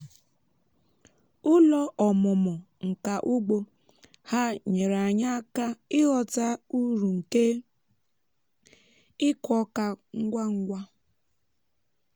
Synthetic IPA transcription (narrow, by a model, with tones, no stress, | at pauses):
ʊ˦lɔ˦ʔɔ˨mʊ˨mɔ˨ | ŋ̩˨ka˨ʔʊ˦ɡ͡bo˦ | ha˦ɲe˨ɾa˨ɲa˦ka˦ɪ˦ɣɔ˨ta˦u˦ɾu˨ŋ̩˨ke˦ | ɪ˦kɔ˦ka˨ŋ̩˦ɡʷa˦ŋ̩˦ɡʷa˦